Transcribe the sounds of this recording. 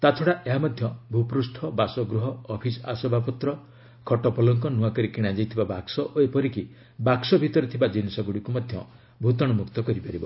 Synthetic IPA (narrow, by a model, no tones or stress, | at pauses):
t̪at̪ʰɔɽaʔeɦamɔd̪ʱjɔbʱupɾusʈʰɔbasɔɡɾuɦɔːpʰisɔasɔbʱapɔt̪ɾɔ | kʰɔʈɔpɔlɔŋkɔnuakɔɾikiɽ̃ad͡ʒajt̪ʰibabaksɔʔoepɔɾiki | baksɔbʱit̪ɔɾɔt̪ʰibad͡ʒinisɔɡuɽikumɔd̪ʱjɔ | bʱut̪ɔɽ̃ɔmukt̪ɔkɔɾipaɾibɔ̰